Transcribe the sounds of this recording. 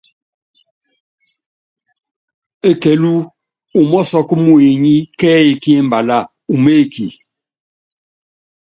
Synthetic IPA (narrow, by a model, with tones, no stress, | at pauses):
e˦kɛ˨lu˦ | u˨mɔ˦sɔ˦ku˦mu˦˨e˨ɲi˦kɛː˦e˨ki˦e˦m˨ba˨la˦˨ | u˨me˦˨kʰḭ˨